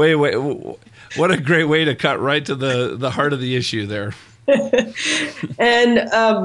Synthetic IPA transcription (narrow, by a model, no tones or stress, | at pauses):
weɪweɪ | wʌɾɨɡɹeɪt̚weɪɾɨkʰʌʔɹaɪtʰɨðɨðəhɑɹɾʌvðiɪʃʉðə˞ | ɨ̃nʌm